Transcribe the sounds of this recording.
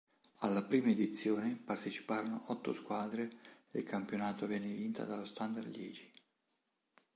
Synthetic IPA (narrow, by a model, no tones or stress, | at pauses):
alːapɾiːmaed̪it̪sːjoːnepart̪et͡ʃi̥paːɾonoʔɔt̪ːoskwaːd̪ɾeelkampjonaːt̪ovɛnːevint̪a̰d̪alost̪and̪arljɛ̰ːd͡ʒi̥